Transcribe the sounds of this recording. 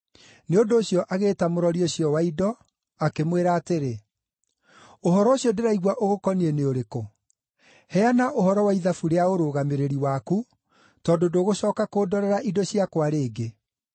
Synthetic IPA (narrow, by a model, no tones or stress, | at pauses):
neondoːɕijɔʔaɣeːtamoɾɔɾioɕjɔwaidɔ | akemweɾaːteɾe | oɦɔɾɔoɕjɔdeɾaiɣwaʔoɣokɔnieneoɾeko | hɛanaʔoɦɔɾɔwaiðafuɾeaoɾoːɣameɾeɾiwaku | tɔːdodoːɣoɕɔːkakoːdɔɾɛɾaʔidoɕiakwaɾeːɡe